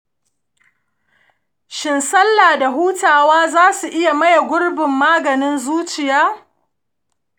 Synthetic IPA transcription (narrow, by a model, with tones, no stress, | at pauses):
ʃɪ˨nsɐ˦lːaː˨da˨ɦuː˦taː˨waː˦zaː˦su˨ʔɪ˦ja˨mɐ˦ja˨ɡʷʊ˦rbɪ˨mːaː˦ɡɐ˨nɪ˦nzuː˦t͡ʃɪ˨jaː˦